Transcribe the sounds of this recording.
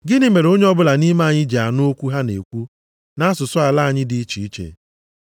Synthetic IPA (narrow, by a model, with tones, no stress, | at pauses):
ɡɪ˦nɪ˦me˨ɾo˦ɲe˦ɔ˦bʊ˦la˨ni˦ma˦˨ɲɪ˦d͡ʒa˨nʊ˦o˦kʷu˦ɦa˦nḛ˨kʷu˦ | na˦sʊ˨sʊ˦a˨la˦a˨ɲɪ˦dɪ˨˦i˦t͡ʃi˨i˦t͡ʃḛ˨